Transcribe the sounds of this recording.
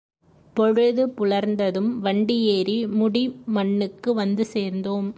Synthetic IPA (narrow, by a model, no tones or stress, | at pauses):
pɔɻɯðɯpʊɭɐɾnd̪ɐðɯmʋɐɳɖɪjeːɾimʊɽimɐɳːɯkːɯʋɐnd̪ɯseːɾnd̪oːm